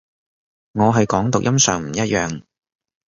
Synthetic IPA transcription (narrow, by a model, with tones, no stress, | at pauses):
ŋɔː˨˧ɦɐ˨jkɔː˨˥ŋt̪ʊ˨k̚jʔɐ˥msœː˨˧ŋm̩˨˩jɐ˥t̚jœː˨ŋ